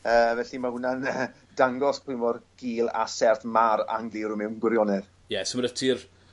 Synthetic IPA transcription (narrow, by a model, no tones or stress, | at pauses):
əːvɛɬimahʊnanə | daŋɡɔspʰʊɨmɔrɡ̥iːlˠa̰sɛrθmaɾa̰ŋɡlɪɾʊmɛwnɡwɪɾjɔnɛð | jɛsəmɾətʰir